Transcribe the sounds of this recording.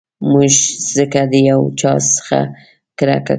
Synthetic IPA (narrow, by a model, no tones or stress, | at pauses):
muʒz̥əkad̪əjawt͡ʃɑssə̥xa̰ | kəɾa̰ka